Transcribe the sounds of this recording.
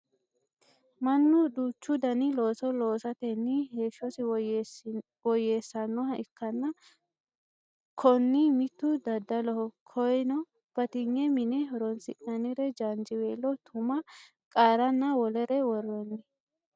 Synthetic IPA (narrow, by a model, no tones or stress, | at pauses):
mɐnːʊd̪uːt͡ʃːʊd̪ɐnɪlo̞ːsɔloːsɐt̪ɛnːɪheːʃːɔsɪ | wɔjeːsːɐnːɔɦɐʔɪkːɐnːɐ | kʰɔnːimɪt̪ːʊd̪ɐd̪ːɐlɔhɔkʰɔjnɔ | b̥ɐt̪ɪɲːɛmɪnɛɦɔɾɔnsɪʔnɐnɪɾɛd͡ʒand͡ʒɪweːlːɔt̪ʰʊmɐ | kʼaːɾɐnːɐwɔlɛɾɛwɔrːɔnːɪ